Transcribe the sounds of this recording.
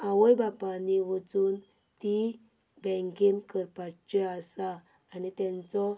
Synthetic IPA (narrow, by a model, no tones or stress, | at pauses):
ãʋəjbapaniʋət͡suːnt̪ibɛ̃ŋkinkəɾpat͡ɕeasaːnit̪jɛ̃nt͡sɔ